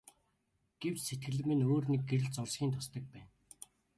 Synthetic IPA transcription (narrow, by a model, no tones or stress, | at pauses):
ɡ̥ew̥t͡ɕset̪̚ɡɘ̆ɮɘ̆mɘ̆noːrniɡ̚ɡeɾɘ̆ɮt͡sɔɮsxʲiːnt̪ʰʊst̪ə̆k̚pæːn